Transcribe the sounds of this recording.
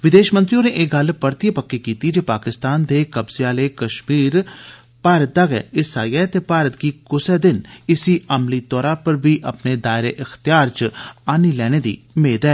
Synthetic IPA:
ʋɪd̪eːʃmə̃nt̪ɾiõneːʔeːɡəlpəɾt̪ipəkːikiːt̪id͡ʒeːpaːkɪst̪aːnd̪eːkəbzeaːleːkəʃmiːɾ | paːɾət̪̚d̪aːɡɛ̰ːɪsaːiɛːt̪eːpaːɾət̪̚ɡiːkʊsɛːd̪ɪnɪsiːʔəmliːt̪ɔːɾãːpəɾbiːʔəpneːd̪aːɪɾeːʔɪxt̪ɪjaːɾt͡ʃaːniːlɛːñeːd̪ḭːmeːd̪ɛː

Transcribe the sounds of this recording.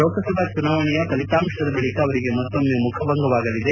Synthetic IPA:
oːkɐsɐb̪ʱat͡ʃunaʋɐɳijɐkɐlit̪aːmʂɐd̪ɐbɐɭikɐːʋɐɾiɡe̞mɐt̪ːomːemukʰɐbɐŋɡɐʋaːɡɐlid̪e

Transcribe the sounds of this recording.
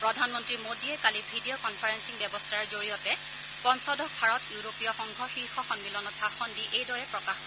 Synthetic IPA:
pɹɔdʱanmɔntɹimodiɛkalibʱidijɔkɔnpʰaɹensiŋbɛbɔstʰaɹzoɹijɔtɛ | pɔnsɔdɔkbʱaɹɔtjuɹopijɔxɔŋɡʱɔxiɹxɔxɔnmilɔnɔt̚baxɔndiʔejdɔɹɛpɹɔkax

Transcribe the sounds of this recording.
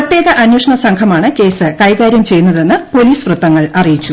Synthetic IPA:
ɐt̪jeːɣɐʔɐnwoːʂɐɳɐsɐŋkʰɐmaːɳɨke̞ːsɨkɐjɣaːɾjɐmt͡ɕe̞jːunːɐðe̞nːɨpo̞liːsʋrɨt̪ːɐŋːɐɭɐrijit͡ɕːu

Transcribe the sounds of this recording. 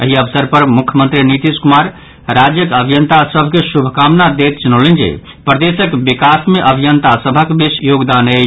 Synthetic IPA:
əɦiəbsəɾpəɾmukʰjəmənt̪ɾinit̪iskumaɾ | ɾad͡ʒjəkəbʱijənt̪asəbʱkesubʱəkamnad̪et̪t͡ʃunolend͡ʒḛ | pɾəd̪esəkbikasmeʔəbʱijənt̪asəbʱəkbisjoɡd̪ane

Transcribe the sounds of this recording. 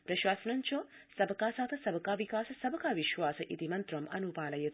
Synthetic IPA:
pɾɐʃwaːsɐnɐnt͡ʃoːsɐbɐkaːsaːt̪ɐsɐbɐkaːʋikaːsɐsɐbɐkaːʋiʃʋaːsɐʔit̪imɐnt̪ɾɐmʔɐnupaːlɐjːɐt̪

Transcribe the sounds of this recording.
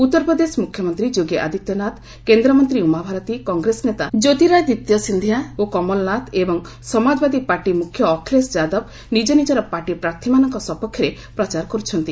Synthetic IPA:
ut̪ːɔɾpɾɔd̪esɔmukʰːjɔmɔnt̪ɾid͡ʒoɡeʔa̰d̪ʱit̪jɔnat̪ | kend̪ɾɔmɔnt̪ɾiumabʱaɾɔt̪ikɔŋɡɾesɔnet̪ad͡ʒot̪iɾajd̪it̪jɔsind̪ʱijaokɔmɔlɔnat̪ʰebɔŋ | sɔmad͡ʒbad̪ipaɾʈimukʰjɔːkʰilesd͡ʒad̪ɔb | nid͡ʒɔnid͡ʒɔɾɔpaʈipɾaɾt̪ʰimanɔŋkɔsɔpɔkʰːjɔɾe | pɾɔt͡ʃaɾɔkɔɾut͡ʃʰɔnt̪i

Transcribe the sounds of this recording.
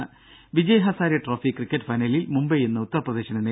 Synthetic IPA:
ɨ | ʋid͡ʑɐjɐɦɐsaːɾjɐʈroːfikːrikːɐtːfɐjnɐlilmumbɐjenːɐut̪ːɐrprɐd̪e̞ːɕɐnenːe

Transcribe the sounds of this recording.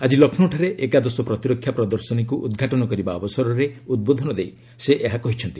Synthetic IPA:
ad͡ʒilɔkʰnɔʈʰaɾeʔekad̪ɔsɔpɾɔt̪iɾɔkʰːjapɾɔd̪ɔɾsɔnikuʔṵd̪ɡʱaʈɔnɔkɔɾibaɔbɔsɔɾɔɾeud̪̚bod̪ʱɔnɔd̪ej | seʔeɦakɔɦit͡ʃʰɔnt̪i

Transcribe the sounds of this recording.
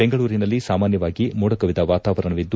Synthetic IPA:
beŋɡɐɭuːɾinɐlːisaːmaːnjɐʋaːɡimuːɽɐkɐʋid̪ɐʋaːt̪aːʋɐɾɐɳɐʋid̪ːu

